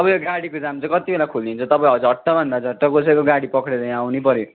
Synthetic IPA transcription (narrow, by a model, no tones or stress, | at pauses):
ʌbʌjoɡaɽikod͡zamt͡sʌ̃kʌt̪ibelakʰuld̪int͡sʰʌ̃t̪ʌpãj̃ɦʌd͡zʱʌʈːʌbʱʌnd̪ad͡zʱʌʈːʌkosʌjkoɡaɽipʌkɽed̪ʌj̃awnipʌɾjo